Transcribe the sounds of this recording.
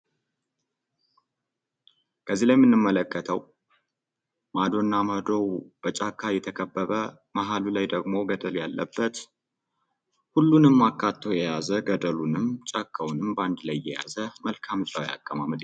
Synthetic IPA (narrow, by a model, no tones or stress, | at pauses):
kʰəzilajmːɨnːɨmːələkːət̪ʰəw | mad̪o̞nːaməd̪o̞wb̥ət͡ʃʼakʰːajɛt̪ʰəkʰəbːəβə | maɦalulajd̪əɡmo̞ɡəd̪əljalːʔə̰bːət̪ | hulːunɨmːakʰːat̪ʰːojɛjazəɡəd̪əlunɨmt͡ʃʼakʰːəwnɨmband̪lajːɛja̰zəməlkʰamt͡ʃʼawja̰kʼːəmamɨd̪